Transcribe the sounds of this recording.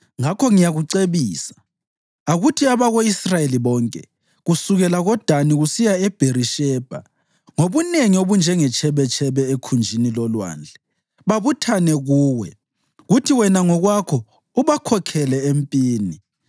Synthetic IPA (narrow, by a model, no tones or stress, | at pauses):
ŋakʰɔŋijaɣuǀeβiːsḁ | aɣutʰiaβaɣoisrajeliβɔːŋkʼɛ̰ | ɣusuɣɛlaɣɔd̥ʱaniɣusijaɛb̥ʱeriʃɛːb̥ʱa̰ | ŋoβuneŋioβund͡ʒʱɛŋɛt͡ʃʰɛβɛt͡ʃʼʰɛβɛekʰund͡ʒʱinilɔlwa̰ːnd͡ɮʱɛ̥ | βaβutʰanɛɣuːwɛ | ɣutʰiwɛnaŋɔɣwakʰɔ | uβakʰɔkʰɛlɛempʼiːni